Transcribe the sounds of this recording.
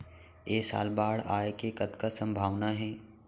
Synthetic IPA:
jeːsa̰ːlbaːɽa̰ːekekɐt̪kasɐ̃mbʱaːʋnaɦɛː

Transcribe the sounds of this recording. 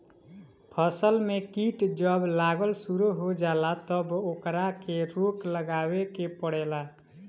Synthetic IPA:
pʰəsəlmekiʈd͡ʒəblaːɡəlsuɾuɦod͡ʒaːlat̪əbokɾakeɾokləɡaːwekepəɽɛla

